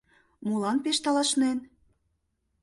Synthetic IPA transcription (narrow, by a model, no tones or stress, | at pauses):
mulɑnpeʃt̪ɑlɑʃnen